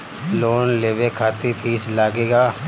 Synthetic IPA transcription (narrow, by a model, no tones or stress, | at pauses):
loːnleːʋekʰaːt̪ipʰiːslaːɡeːɡaː